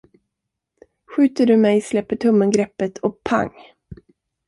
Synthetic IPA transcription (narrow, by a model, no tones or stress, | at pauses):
ɧʉ̟ːt̪əɖɵmɛjslɛpːəʈʰɵmːənɡɾɛpːət̪ʰɔpʰa̰ŋ